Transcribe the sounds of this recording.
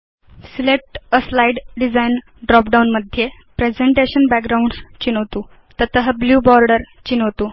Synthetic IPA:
silek̚ʈəslaiɖɖid͡zain | ɖɾɔpɖawnməd̪ʱje | pɾed͡zeɳʈeɕənbæk̚ɡɾauɳɖst͡ɕinɦot̪uː | t̪ət̪əɦəbljuːbɔɾɖəɾt͡ɕinɦot̪uː

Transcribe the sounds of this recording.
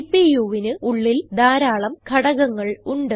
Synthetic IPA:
pːijuʋinɨʔuɭːild̪aːɾaːɭɐmkʰɐɽɐɣɐŋːɐɭuɳɖɨ

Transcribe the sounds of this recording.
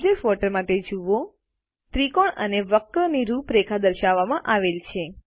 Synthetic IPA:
d͡ʒeksʋɔʈəɾmaʈed͡ʒuʋo | t̪ɾikɔɳəneʋəkːəniɾupɾekʰad̪əɾʃaʋːamãʔaʋelt͡ʃʰe

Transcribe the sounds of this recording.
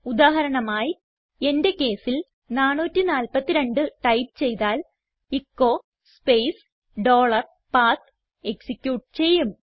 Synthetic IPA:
ud̪aːɦɐɾɐɳɐmaːji | e̞nde̞kːe̞ːsil | naːɳːuːtːinaːlpɐt̪ːiɾe̞ɳɖɨʈɐjpt͡ɕe̞jt̪aːl | ikːo̞ː | spejs | ɖo̞ːɭɐr | paːt̪ | eksikʲjuːʈt͡ɕe̞jːum

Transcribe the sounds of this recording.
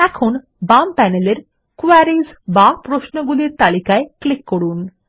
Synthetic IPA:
ækʰun | bampæneleɾ | kuaɾizbapɾoʃnɔɡuliɾt̪alikaeklikːɔɽuːn

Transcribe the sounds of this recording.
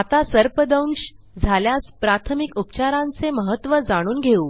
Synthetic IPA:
at̪asəɾpəd̪əwnɕ | d͡zʱaljaspɾat̪ʰəmikupt͡ɕaɾãnt͡seməɦət̪ːʋəd͡zaɽ̃uːnɡʱeuː

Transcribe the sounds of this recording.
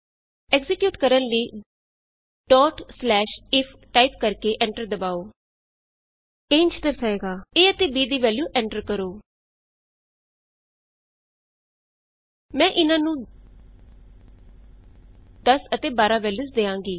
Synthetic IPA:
ɛkzɪkjuːʈkəɾənliː | ɖɔːʈslɛːʃɪpʰʈaːipkəɾkeːʔɛ̃ːɳʈəɾd̪əbaːoː | eːnt͡ʃt̪əɾsəeːɡaːeːət̪eːbiːd̪iːʋɛːljuːʔɛ̃ːɳʈəɾkəɾoː | mɛ̃ːʔɪnãːnũː | d̪əsət̪eːbaːɾaːʋɛːljuːsd̪eːãːŋɡiː

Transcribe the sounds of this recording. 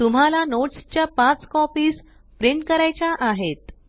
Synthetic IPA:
t̪um̤alanoʈst͡ɕjapat͡skɔpiːs | pɾiɳʈkəɾajt͡ɕaʔaɦet̪

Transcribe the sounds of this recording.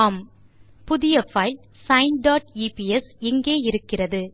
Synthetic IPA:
m | pʊðɪjɐfɐɪl | sɐɪnɖaːʈiːpiɛsɪŋɡeːɪɾɯkːɪrɐðɯ

